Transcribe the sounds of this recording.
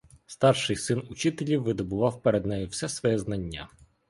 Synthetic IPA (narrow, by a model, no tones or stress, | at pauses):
st̪ɑrʃɪjsɪnʊt͡ʃɪt̪elʲiwːɪd̪ɔbʊʋɑwpeɾed̪nɛjʊwsɛsʋɔjɛznɐnʲːa